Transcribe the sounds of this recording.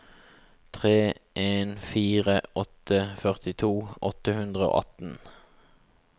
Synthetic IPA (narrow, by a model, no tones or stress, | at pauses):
t̪ʰʁeːʔeːnfiːʁəʔɔt̪əfœʁt̪ɪt̪ʰuːʔɔt̪əhʉnd̪ʁəo̰ːʔɑ̰t̪n̩